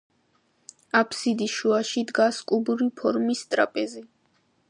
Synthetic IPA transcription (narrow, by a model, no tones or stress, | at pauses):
apʰsid̪iʃuaʃid̪ɡaskʼubuɾipʰɔɾmist̪ʼɾapʼɛzi